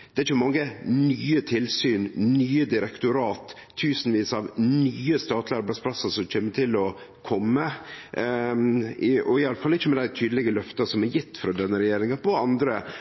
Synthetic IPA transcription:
d̪̥ɛæɾçəmɑŋːənyːət̪ʰɪlsyːnnyːəd̪ɪɾɛkt̪ʊɾɑːt̪ʰː | ʉːsənʋiːsɑʋnyːəst̪ɑːt̪ʰlɑɾbɑspʰlɑsːɑsɔmc͡çeːmːət̪ʰɪlɔ | kʰɔmːə | ɔɪɑləfɑlːɪçːəmɛd̪æɪt̪ʰyːd̪əlɪɡəlœft̪ɑsɔmɛɾjɪt̪ːfɾɑd̪ɛnːəɾɛjeːɾɪŋɑpɔɑnd̪ɾə

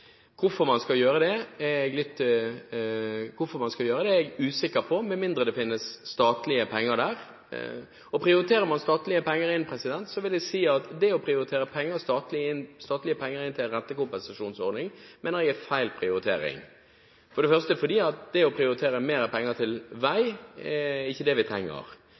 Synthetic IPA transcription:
kʰʊfɔɾmɑnskɑjøːɾəd̪ɛɛɛɡlɪt̪ː | kʰʊfɔmɑnskɑjøːɾəd̪ɛɛɡʉːsɪkːəɾpʰɔmɛnmɪnd̪ɾəd̪ɛfɪnːəsːt̪ɑːt̪lɪəpʰɛŋːəɾd̪æːɾ | ɔpʰɾɪʊɾɪt̪ʰeːɾəɾmɑnst̪ɑːt̪lɪəpɛŋːəɾɪnpʰɾɛsɪd̪ɛnt̪sɔʋɪld̪ɛsiːɑt̪d̪ɛɔpʰɾɪʊɾɪt̪ʰeːɾəpʰɛŋːəst̪ɑːt̪lɪɪnːst̪ɑːt̪lɪəpʰɛŋːəɾɪnt̪ʰɪlnɾɛnt̪ːəkʊmpɛnsɑʂuːnsɔɾd̪nɪŋmeːnəɾɛɡæfæɪlpʰɾɪʊɾɪt̪ʰḛːɾɪ̰ŋ | fɔɾɖɛfœʁst̪əfɔd̪iːɑt̪̚d̪ɛɔpʰɾɪʊɾɪt̪ʰeːɾəmeːɾəpʰɛŋːət̪ʰɪlʋæɪɛɪçːəd̪ɛʋɪt̪ʰɾɛŋːə̰ɾ

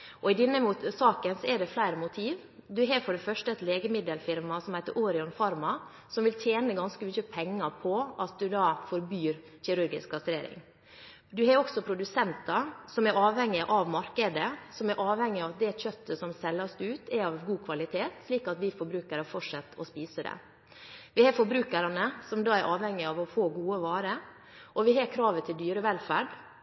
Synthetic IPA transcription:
ʔɔɪd̪ɪnːəsɑːkənsɔɛɖɛflæɪɾəmʊt̪ʰiːʋ | d̪ʉɦɑɾfɔɖɛfœʂʈəɛt̪leːɡəmɪd̪əlfɪɾmɑsɔmhæɪt̪əɾʔoːɾɪɔnfɑɾmɑ | sɔmʋɪlt̪ʰjeːnəɡɑnskəmʏçəpʰɛŋːɑɾpʰɔʔɑt̪̚d̪ʉd̪ɑːfɔɾbyːɾ | çɪɾʉɾɡɪ̰skkɑst̪ɾeːɾɪ̰ŋ | d̪ʉɦɑɾɔksɔpʰɾʊd̪ʉsɛnt̪ɑɾsɔmɛɾɑːʋhɛŋːɪʔɑʋmɑɾkəd̪əsɔmæɾʔɑːʋhɛŋːɪɑt̪̚d̪ɛçœt̪ːəsɔmsɛlːɑsd̪ʉːt̪ʰæɾɑʋɡuːkʰʋɑlɪt̪ʰeːt̪sliːkɑt̪ʋɪfɔɾbɾʉːkəɾəfɔʈʂɑt̪ːɔ̰spiːsəd̪ɛ̰ | ʋɪhɑɾfɔɾbɾʉːkəɾɑnəsɔmd̪ɑːæɾʔɑːʋhɛŋːɪɑʋɔfoːɡuːəʋɑːɾə | ʔɔʋɪɦɑɾkʰɾɑːʋət̪ʰɪld̪yːɾəʋɛlfæɖ

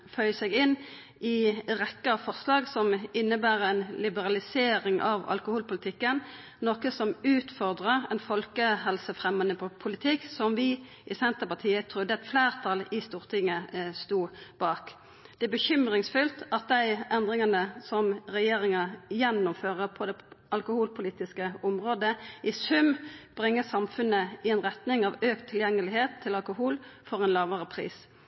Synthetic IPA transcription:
fœʏsɛɡɪn | ʔɪʁɛkːəfɔʁslɑːɡsɔmɪnːəbæːʁɛnlɪbəʁɑlɪseːɾɪŋʔɑ̰ʋɑ̰lkʊhuːlpʊlɪt̪ʰɪkːən | nɔːkəsɔmʉːt̪fɔʁd̪ʁəʁɛnfɔlkəɦɛlsəfʁɛmːənəpʰʊlɪt̪ʰɪksɔmʋɪ | ʔɪsɛnt̪əpɑt̪ʰiːət̪ʰʁʊd̪ːəɛt̪flæːʁt̪ʰɑlɪst̪uːʁt̪ʰɪŋːəst̪uːb̥ɑːk | d̪̥ɛæbəçʏmʁɪŋsfʉlt̪ɑt̪̚d̪æɪʔɛnd̪ʁɪŋɑnəsɔmʁɛjeːʁɪŋɑjɛnːʊmføːʁəpʰɔd̪ɛɑlkʊhuːlpʰʊliːt̪ɪskəʊmʁoːd̪əɪsʉmb̥ʁɪŋːəsɑmfʉnəɪɛnʁɛt̪nɪŋɑʋøːk̚t̪ʰːɪljɛŋːəlɪɦeːt̪ʰːɪlɑlkʊɦuːlfɔʁɛnlɑːʋəʁəpʰʁḭːs

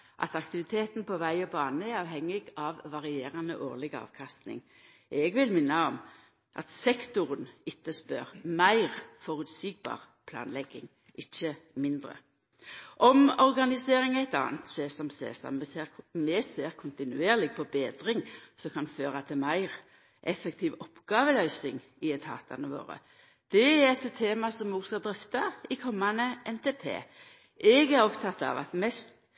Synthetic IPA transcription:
ʔɑ̰t̪ɑkt̪ɪʋɪt̪ʰeːt̪npʰɔʋæɪɔbɑːnəɛɑːʋhɛŋːɪɡɑʋːɑʁɪeːʁɑnəʔoːʁlɪɡɑ̰ːʋkʰɑst̪nɪ̰ŋ | ʔɛɡʋɪlmɪnːɑɔm | ʔɑ̰t̪sɛkt̪ʊʁənɪt̪ːəspœʁmæɪʁfɔʁʉːt̪siːɡ̚bɑ̰ːʁ | pʰlɑ̰ːnlɛɡːɪ̰ŋ | ʔɪçːəmɪnd̪ʁə̰ | ʔɔmɔʁɡɑnɪseːʁɪŋæɪt̪ɑ̰ːnt̪seːsɔmsḛːsɔ̰mɛseːmɛseːʁkʰʊnt̪ɪnʉeːʁlɪɡ̚pʰɔbeːd̪ɾɪŋsɔkʰɑnføːʁɑt̪ʰɪmæɪʁ | ʔɛfəkt̪ʰiːʋɔpːɡ̥ɑːʋəlœʏsɪŋ | ɪɛt̪hɑ̰ːt̪ʰɑnəʋo̰ːɾə̰ | d̪̥ɛæɛt̪t̪ʰːeːmɑsɔmoːɡskɑld̪ɾɪft̪ɑɪkʰɔmːɑnəʔɛnt̪ʰeːpʰḛː | ʔɛɡæɾɔpt̪ʰɑt̪ːɑ̰ʋɑ̰t̪mɛst̪

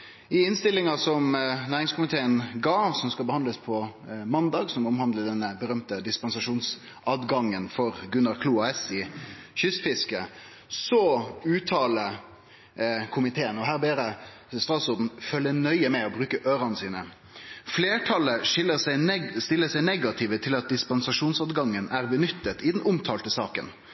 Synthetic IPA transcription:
ɪɪnst̪ɪlːɪŋɑsɔmnæːɾɪŋskʊmɪt̪ʰeːənɡɑːsɔmskɑbəhɑnd̪ləspʰɔmɑnd̪ɑːɡsɔmɔmhɑnd̪ləd̪ɛnːəbəɾœmt̪əd̪ɪspɑnsɑʂuːns | ɑːd̪ɡɑŋːənfɔʁɡʉnɑʁkʰluːɑɛsɪɕʏsfɪskə | sɔʉːt̪ʰɑːlə | kʰʊmɪt̪ʰeːənɔɦæːʁbeːɾə | st̪ɾɑːt̪sʊd̪n̩fœlːənœʏəmɛɔbɾʉːkəʔøːɾɑnəsiːnə | fleːʈʰɑləʂɪlːəsæɪst̪ɪlːəsɛɪnɛɡɑt̪ʰɪʋət̪ʰɪlɑt̪̚d̪ɪspɑnsɑʂuːnsɑːd̪ɡɑŋːənæʁbənʏt̪ːət̪ɪd̪ɛnʊmt̪ʰɑːlt̪əsɑːkə̰n

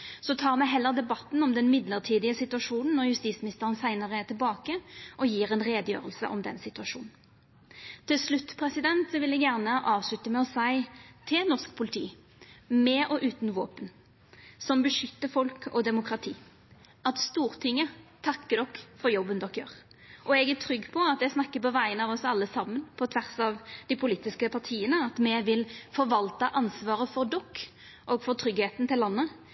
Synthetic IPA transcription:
sɔt̪ʰɑːʁmɛɦɛlːəʁd̪ɛbɑt̪n̩ɔmd̪ɛnmɪd̪ləʁt̪ʰiːd̪ɪəsɪt̪ʉɑʂuːnn̩nːɔʁjʉst̪iːsmɪnɪst̪əʁənsæɪnəʁət̪ɪlbɑːkəʔɔjiːɾɛnʁeːd̪əjø̰ːʁəlsə̰ʔɔmd̪ɛ̰nsɪt̪ʉɑʂṵːnn̩ | t̪ʰɪlslʉt̪ːpʰʁɛsɪd̪ɛnt̪sɔʋɪlɛɡjæʁnəʔɑːʋslʉt̪əmɛɔsæɪt̪ʰɪnɔʁskpʰʊlɪt̪ʰḭː | mɛʔɔʔʉːt̪n̩ʋo̰ːpən | sɔmbəʂʏt̪ːəfɔlkʰɔ̰d̪ɛmʊkʁɑt̪ʰḭː | ɑt̪st̪uːʁt̪ʰɪŋːət̪ʰɑkːəd̪ɔkːfɔɾjɔbːənd̪ɔkːjøːʁ | ʔɔɛɡæt̪ʰɾʏɡːpʰɔɑt̪ɛsnɑkːəpɔʋæɪənəɑʋɔsɑlːəsɑmːənpʰɔt̪ʰʋæʁsɑʋd̪ɪpʰʊliːt̪ɪskəpʰɑʁt̪ʰiːənəɑt̪mɛʋɪlfɔɾʋɑlt̪əʔɑnsʋɑːʁəfɔɾd̪ɔkː | ʔɔɡfɔɾt̪ʰʁʏɡheːt̪n̩t̪ɪlːɑnːə

